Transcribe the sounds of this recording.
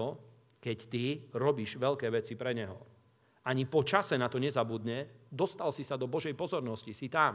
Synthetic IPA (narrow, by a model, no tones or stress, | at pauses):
ɔ | kɛct̪iɾɔbiːʒʋɛʎkɛːʋɛt͡sipɾɛɲɛɦɔ | aɲipɔt͡ʃasɛnat̪ɔɲɛzabud̪ɲɛd̪ɔst̪alsisad̪ɔbɔʒɛjpɔzɔɾnɔscisit̪aːm